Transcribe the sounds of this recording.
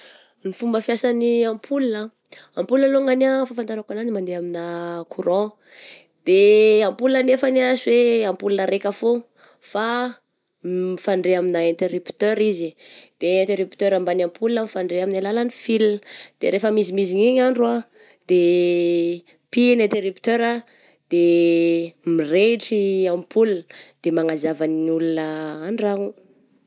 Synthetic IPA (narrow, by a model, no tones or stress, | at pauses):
nifumbəfjasaniampʰulunə | ampulunəloŋanafafant̪aɾakananimand̪eaminakʰuɾɔ̃ | d̪̥eampulunənefaniazweampulunəɾekəfo | fa | ifaɳɖ͡ʐeaminaẽnt̪eɾupt̪øɾizid̪̥eent̪eɾypt̪øɾambanampulunəmifaɳɖ͡ʐeaminalalanifilind̪̥eɾefəmizimiziɲiɲaɳɖ͡ʐua | d̪̥e | pinent̪eɾupt̪øɾa | d̪̥e | mireʈ͡ʂiamipʰulund̪̥emaŋazavanulunəanɖ͡ʐaŋu